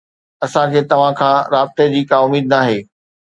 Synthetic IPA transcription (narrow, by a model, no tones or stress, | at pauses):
ɐsãd͡ʑeːt̪ɐʋ̤ãkʰãːɾaːb̚t̪ed͡ʑiːkaːʊmiːd̪naːɦeː